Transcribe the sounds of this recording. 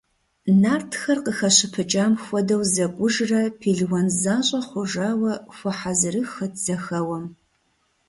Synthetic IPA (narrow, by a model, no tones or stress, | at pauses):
naːrtʰxɐrqəxɐɕɪpʰɨt͡ʃʼaːmxʷɔdɐwzɐkʷʼʊʒrɐpʰiːɮwɐnzaːɕʼɐχʷʊʒaːwɐxʷɔħazɨɾɨxɐtz̥ɐxɐwɐm